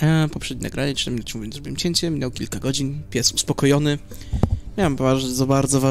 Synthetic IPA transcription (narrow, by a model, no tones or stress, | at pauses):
pɔpʂɛd̪ɲina̰ɡɾaɲɛɨnamʲinat͡ɕmuvjɔnzɾbiwɘmt͡ɕeɲt͡ɕɛmʲinɛwkʲilkaɡɔd͡ʑinpʲjɛsuspɔkɔjɔnɘ | mʲjawambaɾd̪zɔbaɾd̪zɔva